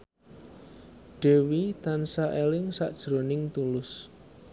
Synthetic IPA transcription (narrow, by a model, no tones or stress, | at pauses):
ɖ̥e̤wit̪ansaʔelɪŋsa̰ʔd̥ʒ̥ɾonɪŋt̪ulʊs